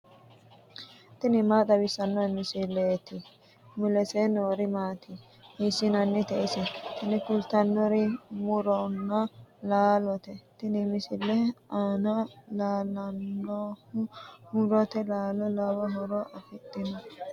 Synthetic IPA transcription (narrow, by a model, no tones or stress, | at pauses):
t̪ɪnɪmaːd̪ɐwɪsːɐnːɔmɪsɪlːet̪ɪ | mʊlɛsenoːɾɪmaːt̪ɪ | mɪsɪnɐnːɛt̪ɛʔɪsɛt̪ɪnɪkʊlt̪ɐnːɔɾɪmʊɾɔnːɐlaːlɔt̪ɛt̪ɪnɪmɪsɪlːɛaːnɐlaːlɐnːɔ | mʊɾɔt̪ɛlaːlɔlawɐɦɔɾɔʔɐfɪt̪ʼːɪnɐ